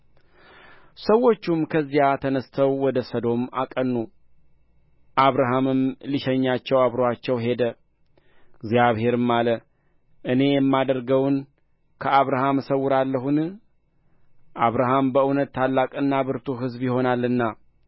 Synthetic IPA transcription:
səwːo̞t͡ʃːumkʰəzːijat̪ʰənəst̪ʰəwːɔd̪əsəd̪o̞ma̰kʼənːu | ʔaβɾaɦamɨmliʃɛɲːat͡ʃːɛwaβɾoat͡ʃːɛwɦe̞d̪ə | ɡzijaβhe̞ɾɨmːalə | ʔɨne̞jɛmːad̪əɾɡəwn | kʰəaβɾaɦamsəwːʊɾalːəɦun | ʔaβɾaɦambəɨnət̪ːʰalːakʼɨnːabɨɾt̪ʰuɦɨzbjɪho̞nalːɨnːa

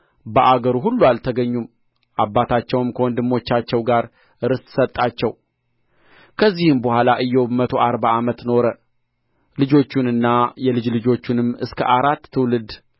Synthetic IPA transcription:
bəʔaɡəɾuɦulːualt̪ʰəɡəɲːum | ʔabːat̪ʰat͡ʃːɛwɨmkʰəwɔnd̪ɨmːo̞t͡ʃːat͡ʃːɛwɡaɾ | ɨɾɨssət̪ʼːat͡ʃːɛw | kʰəzːihɨmbəhʷalaʔɨjːɛwmət̪ʰo̞ʔaɾbaamət̪no̞ɾə | lɨd͡ʒo̞t͡ʃːunɨnːajɛlɨd͡ʒlɨd͡ʒo̞t͡ʃːunɨmːɨskʰə̰ʔaɾat̪ːɨwlɨd̪

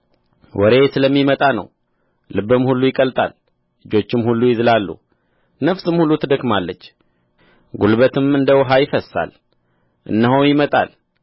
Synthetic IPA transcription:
wɔ̰ɾe̞sɨləmːimət̪ʼanə̰w | lɨbɨmhulːujɪkʼəlt̪ʼa̰l | lɨd͡ʒo̞t͡ʃːɪmhulːujɪzɨlalːṵ | nəfsɨmhulːut̪ʰɨd̪əkmalːət͡ʃː | ɡulbət̪ʰɨmɨnd̪əwɦajɪfəsa̰l | ʔɨ̰nːəɦowjɪmət̪ʼa̰l

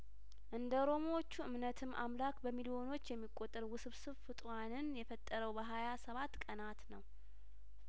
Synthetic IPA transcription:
ʔɨnd̪əoɾo̞mowot͡ʃːuʔɨmnət̪ʰɨmʔa̰mlakbəmilio̞no̞t͡ʃːjɛmːikʼːot̪ʼːəɾwʊsɨβsɨβfɨt̪ʼwanɨnjɛfət̪ʼːəɾəwbəɦajasəβat̪ːkʼənat̪nəw

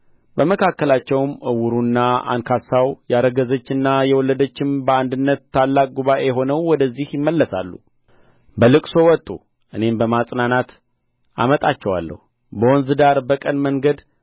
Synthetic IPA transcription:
bəməkʰakːəlat͡ʃːɛwmʔɨwuɾunːaa̰nkʰasawjaɾəɡəzət͡ʃːɨnːajɛwɔlːəd̪ət͡ʃːɪmbəand̪ɨnːət̪ːalːakʼɡuβaʔe̞jɦo̞nəwwɔd̪əzːihjɪmːəlːəsa̰lːṵ | bəlɨkʼso̞wɔt̪ʼːu | ʔɨne̞mbəmasʼnanat̪ | a̰mət̪ʼat͡ʃːɛwa̰lːə̰hu | bəwɔnzɨd̪aɾbəkʼənməŋɡəd̪

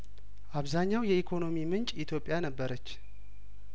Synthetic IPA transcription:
ʔaβzaɲːawjɛikʰo̞no̞mimɨnt͡ʃʼit̪ʰjo̞pʼːjanəbːəɾət͡ʃː

